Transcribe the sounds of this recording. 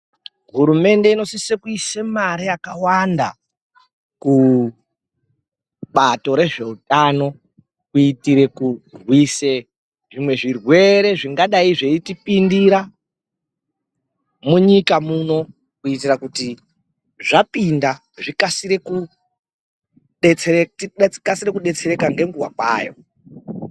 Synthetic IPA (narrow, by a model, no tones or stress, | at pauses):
ɦuɾume̞nde̞ino̞sisekuisemaɾijakawanda | ku | ɓato̞ɾe̞ʐe̞utano̞ | kuitiɾe̞kurwise̞ | ʐimwe̞ʐirwe̞ɾe̞ʐiŋɡaɗaiʐeitipindiɾa | muɲikamuno̞ | kuitirakuti | ʐapinda | ʐikasiɾe̞ku | ɗet͡seetiɗeikasiɾekuɗe̞t͡se̞ɾe̞kaŋɡe̞ŋɡuwa̰kwa̰ːjo̰